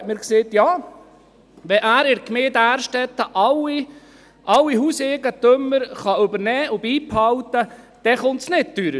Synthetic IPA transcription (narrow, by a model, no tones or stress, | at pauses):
mɪɾkseːt̪jɑː | ʋɛʔæːɾɪɾkmeːdæːɾʃtɛt̪ːəʔɑwi | ʔɑwːiɦuːsɛɡət̪ɵmːəɾχɑɵbəɾnɛːʔʊbiːphɑwt̪ə | d̥ɛχʊnt̪snɪd̚d̥yɾə